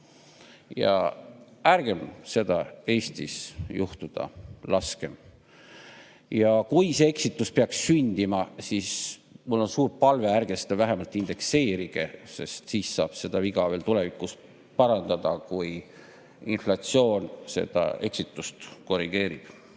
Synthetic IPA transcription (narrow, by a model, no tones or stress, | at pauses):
jɑ̰ | æɾɡ̥e̞mse̞d̪̥ɑe̞ːst̪isjuht̪ud̪̥ɑ̰lɑske̞m | jɑkujse̞eksit̪ːˑuspeɑkssynʲd̪̥imɑsiːsmulːo̞nsuːɾpɑlve̞ærɡ̥est̪evæɦemɑlt̪ːˑind̪̥e̞kse̞ːɾiɡ̥e̞se̞̰st̪siːssɑ̰ːb̥se̞d̪̥ɑviɡ̥ɑve̞ːlt̪ule̞vikˑːus | pɑɾɑnd̪̥ɑd̪ɑkuj | inflɑt̪sio̞ːnse̞̰d̪̥ɑ̰e̞ksit̪ːˑust̪ko̞riɡ̥e̞ːɾib̥